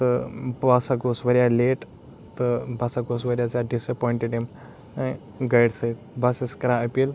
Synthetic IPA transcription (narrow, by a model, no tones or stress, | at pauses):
t̪əbasaɡosʋəɾjaleʈ | t̪əbʱasaɡosʋəɾjad͡zjaɖisəpɔjiɳʈeɖem | ɡəjɽsəit̪bʱaseskɾaəpiːl